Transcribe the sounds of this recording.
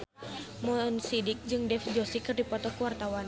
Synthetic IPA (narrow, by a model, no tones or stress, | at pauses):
mɔnsidik̚d͡ʒɨŋdɛfd͡ʒɔsikɨrdipɔt̪ɔkuwart̪awan